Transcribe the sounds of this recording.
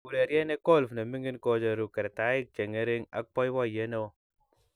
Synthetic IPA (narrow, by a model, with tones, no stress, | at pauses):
u˨ɾe˨ɾje˦ne˦ko˦˨lfna˨mi˦ŋi˦nko˦d͡ʒa˨ɾu˨kɛ˨ɾe˨ta˨˦i˦k̚t͡ʃe˨ŋe˦ɾe˦ŋa̰˦k͡pɔ˦jwɔ˦˨je˨˦ne˦o˦